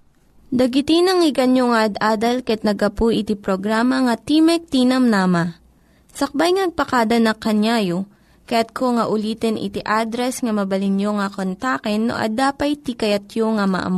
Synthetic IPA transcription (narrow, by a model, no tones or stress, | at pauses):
d̪ɐɡɪt̪inɐŋɪɡɐnjoŋɐʔɐd̪ʔaːd̪ɐlkɐɛt̪̚nɐɡɐpuʔɪt̪ipɾoɡɾaːmɐŋɐt̪imɛk̚t̪iːnɐmnaːmɐ | sɐk̚bajŋɐnɐɡ̚pɐkaːd̪ɐnɐkɐɲjaːjo | kɐjat̪̚kʰoŋɐʔʊliːt̪ɛnʔɪ̰t̪ɪʔad̪ɾɛsŋɐmɐbɐlɪnjoŋɐkont̪akɛnːo̰ʔɐ̰d̪aːpɐjt̪ikɐjɐt̪joŋɐmɐ̰ʔɐ̰mo